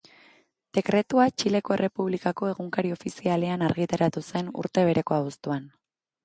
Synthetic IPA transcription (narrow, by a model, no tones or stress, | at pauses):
d̪̥e̞kɾe̞t̪uat͡ʃile̞ko̞e̞re̞puβ̞likako̞e̞ɣuŋkaɾio̞fisiale̞anaɾɣit̪aɾat̪use̞nṵɾt̪e̞β̞e̞ɾe̞ko̞aβust̪uan